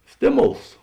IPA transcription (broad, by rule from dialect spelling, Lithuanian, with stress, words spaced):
ˈsʲtʲeːˌmoːlˠs